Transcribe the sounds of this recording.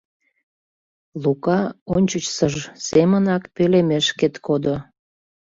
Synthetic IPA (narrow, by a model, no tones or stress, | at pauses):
lukɑonʲt͡ɕət͡ɕsəʒsemənɑkpelemeʃket̪kod̪o